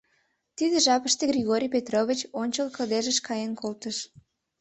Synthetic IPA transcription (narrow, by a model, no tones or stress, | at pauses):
t̪id̪eʒɑpəʃt̪eɣrʲiɣoɾʲijpet̪rovʲit͡ɕonʲt͡ɕəlkəld̪eʒəʃkɑjenkʰolt̪əʃ